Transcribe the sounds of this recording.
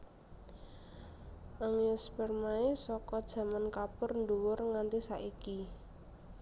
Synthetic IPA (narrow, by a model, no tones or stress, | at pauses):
ʔaŋjʊspɛrmaisɔkɔd̥ʒ̥ä̤mankapʊrnd̪uwʊrŋant̪isaʔiki